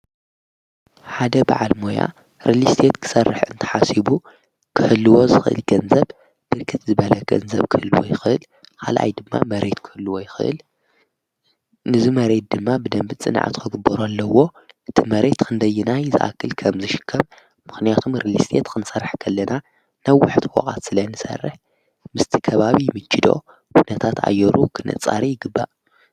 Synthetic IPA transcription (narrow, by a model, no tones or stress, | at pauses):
ħad̪ɐba̰ʕa̰lmo̞ja̰ | ɾilist̪ʰet̪kʰɨ̥sɐrːɨħɨnt̪ʰɐ̥ħasibu | kʰɨħɨlːuwo̞zɨxɨʔɨ̰lɡɐnzɐβ | b̥ɨɾkʰɨt̪zɨβɐlɐɡ̥ɐ̰nzɐβkʰɨhɨlːuwo̰jɪxɨʔɨl | kʰa̰lʔa̰jd̪ɨmːa̰mɐɾe̞t̪kʰɨhɨlːuwojɪxɨ̰ʔɨ̰l | nɨzɨmɐɾe̞t̪̚d̪ɨmːabɨd̪ɐmbɨt͡sʼɨ̰n̰ʕa̰t̪kʰɨɡɨbːɐɾoalːɐwo̞ʔɨt̪ʰimɐɾe̞t̪kʰɨnd̪ɐjːɪnajzɨ̰ʔa̰kʰːɨlkʰɐmzɨʃɪ̥kʰːɐɾ | mɨxnijat̪ʰomɾilist̪ʰet̪kʰɨnɨsɐɾːħkʰɐlːɐna | nawːʊħt̪wɔ̰kʼa̰t̪sɨlɐnɨsɐ̰rːɨħ | mɨst̪ʰi̥kʰɐβaβimɨt͡ʃːɪd̪o̞̰ | kʰunɐt̪ʰat̪ʰa̰jːɛɾukʰɨnɨ̰t͡sʼa̰ɾijɪɡɨbːa̰ʔ